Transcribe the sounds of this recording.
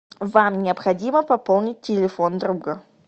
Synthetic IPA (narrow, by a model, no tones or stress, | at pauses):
vamnʲɪəpxɐdʲiməpɐpolˠnʲɪt̚ʲtːʲɪlʲɪfond̪ɾuɡə